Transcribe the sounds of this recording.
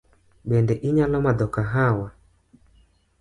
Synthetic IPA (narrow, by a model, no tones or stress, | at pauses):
ɓɛndɛʔiɲalɔmadɔkaɦawa